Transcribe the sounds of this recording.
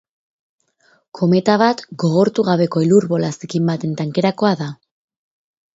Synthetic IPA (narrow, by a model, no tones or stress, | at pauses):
kʰo̞me̞t̪aβ̞at̪ɡo̞ɣ̞o̞ɾt̪uɣ̞aβe̞ko̞iluɾβo̞lasikimbat̪e̞nt̪aŋke̞ɾako̞aða